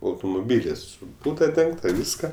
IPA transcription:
ɐʊtʊmʊˈbʲiːlʲɪs sʊ ˈbuːdɐ ˈdʲɛŋktɐ ˈʋʲiːskɐ

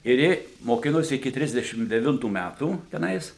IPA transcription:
ɪr ˈjɪ moːˈkʲɪnoːsʲɪ ɪkʲɪ ˈtʲrʲɪzʲdʲɛʃʲɪm dʲɛˈʋʲɪntuː ˈmʲætuː tʲɛˈnɐɪs

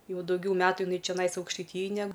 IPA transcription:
ˈjɛʊ dɐʊˈɡʲɛʊ ˈmʲæːtʊ jɪˈnɐɪ t͡ʃʲɛˈnɐɪs ɐʊkʃtɐɪˈtʲiːjɛj nʲɛ

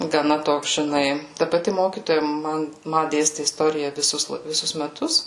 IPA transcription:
ɡɐˈnɐ ˈtoːks ʒʲɪˈnɐɪ ˈtɐ pɐˈtʲɪ ˈmoːkʲiːtoːjɛ ˈmɐn ˈmɐ ˈdʲeːsʲtʲɪ ɪsˈtoːrʲɪjɛ ʋʲɪˈsʊs ʋʲɪˈsʊs mʲɛˈtʊs

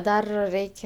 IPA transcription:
ˈdɐr ˈrʲɛɪkʲ

